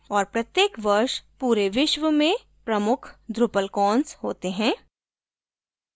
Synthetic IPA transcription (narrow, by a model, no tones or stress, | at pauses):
ɔːɾpɾɐt̪jeːkʋɐɾʃpuːɾeʋɪʃʋəmẽ | pɾɐmʊkʰd̪ɾʊpəlkɔːnsɦoːt̪eɦɛ̃ː